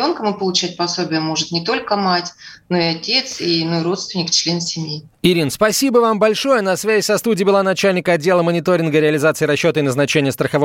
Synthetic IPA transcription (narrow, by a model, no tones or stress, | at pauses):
o̞nkəmɨpəlˠʊt͡ɕæt̚ʲpɐsobʲɪjəmo̞ʐɨt̪nʲɪt̪o̞lʲkəmatʲno̞ɪɐtʲe̞t̪sinoɾo̞t̪st̪vʲɪnʲɪkt͡ɕlʲe̞nsʲɪmʲji | ɪɾʲinspɐsʲibəvambɐlʲʂo̞jənɐsvʲæzʲɪsɐst̪udʲɪːbɪlˠanɐt͡ɕælʲnʲɪkəɐdʲːe̞lˠəmənʲɪt̪o̞ɾʲɪnɡəɾʲɪɐlʲɪzat̪sɨːɾɐɕːo̞t̪əɪnəznɐt͡ɕenʲɪjəst̪ɾəxɐvo